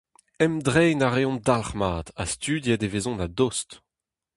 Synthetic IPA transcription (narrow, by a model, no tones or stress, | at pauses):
ɛmd̪ʁɛjnaʁeɔ̃d̪alχmaːd̪̥ast̪yːd̪jɛd̪evezɔ̃nad̪ost